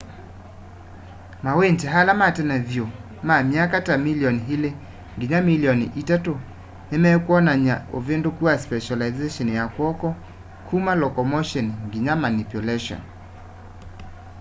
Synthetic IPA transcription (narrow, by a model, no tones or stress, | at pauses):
mawentɛɦalamatɛnavjo | mamiakatamiliɔniɦile | ŋɡiɲamiliɔniʔitato | nɛmɛkwɔnaɲaovendokuaspɛʃalaizeʃɔnjakwɔkɔ | kʰumalɔkɔmoʃɔnŋɡiɲamanipjulɛʃɔ̰n